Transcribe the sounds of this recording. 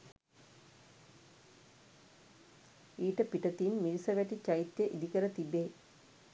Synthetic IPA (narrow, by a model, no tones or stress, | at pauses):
iːʈəpiʈɐt̪inmilisɐʋæʈit͡ɕɐit̪jəʔid̪ikəɾət̪ibːe